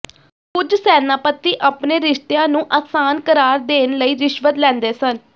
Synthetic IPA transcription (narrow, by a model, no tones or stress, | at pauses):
kʊd͡ʒsɛːnaːpət̪ːiːʔaːpneːɾɪʃt̪jãːnũːʔaːksaːnkəɾaːɾd̪eːnləiːɾɪʃʋət̪lɛ̃ːnd̪eːsən